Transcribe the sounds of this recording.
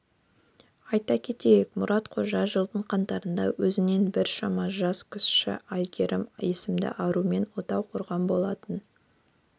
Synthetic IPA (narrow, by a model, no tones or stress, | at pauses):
ɑjt̪ɑkʲʰe̞t̪e̞jekmʊɾɑt̪qʰo̞ʒɑʒəlˠd̪əɴqʰɑnt̪ɑɾənd̪ɑ̰wɵzɪne̞nbɪɾʃɑmɑʒɑskʲʰʏsʃɪ̰ʔɑj̪ɡʲe̞ɾʔɪmje̞sɪmd̪ɪ̰ʔɑɾume̞nwo̞t̪ɑwqʰʊɾʁɑnbo̞lˠɑt̪ən